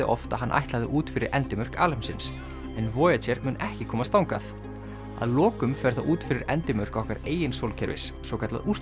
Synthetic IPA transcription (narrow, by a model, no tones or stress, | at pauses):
ɪ̰ʔɔft̪aɦanːʔa̰jht̪laðɪʔuːt̪fɪɾɪɾʔɛ̰nt̪ɪmœr̥ka̰ːlɛmsɪns | ɛnvɔːjat͡ɕɛɾmʏːnʔɛhcɪkʰɔːmast̪awŋka̰θ | a̰ðlɔːkʏmfɛɾ̥θaʔuːt̪fɪɾɪɾɛnt̪ɪmœr̥kɔhkaɾeːjɪnsowlcʰɛɾvɪ̰ssɔkʰat̪la̰ður̥t̪